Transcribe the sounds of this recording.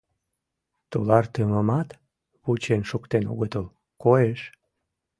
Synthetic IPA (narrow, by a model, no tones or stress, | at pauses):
t̪olɑrt̪øməmɑt̪ | βut͡ɕenʃukt̪eno̰ɣət̪əl | koeʃ